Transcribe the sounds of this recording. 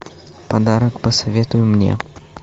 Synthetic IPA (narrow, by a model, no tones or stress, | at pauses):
pad̪aɾəkpəsɐvʲɛt̪ʊjʊmnʲɛ̰